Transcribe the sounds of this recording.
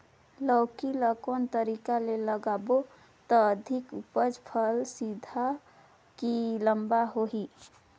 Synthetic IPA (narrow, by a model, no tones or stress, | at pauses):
ləwkiləkont̪əɾikaleləɡabo | t̪ɔːd̪ʱikupəd͡ʒpʰəlsid̪ʱa | kiləmbaɦoɦi